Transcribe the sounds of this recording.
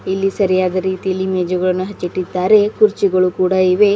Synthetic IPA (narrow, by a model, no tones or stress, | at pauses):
ilːisɐɾijaːd̪ɐɾiːt̪ijɐlːimeːd͡ʒɐɡɐɭɐnːuɦɐt͡ʃːiʈːid̪ːaːɾe̞kuɾt͡ʃiɡɐɭukuːɽaiʋe̞